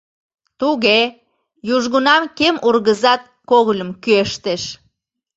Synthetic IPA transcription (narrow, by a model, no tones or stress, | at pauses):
t̪uɣe | juʒɣunɑmkemurɣəzɑt̪̚koɣlʲəmkyeʃt̪eʃ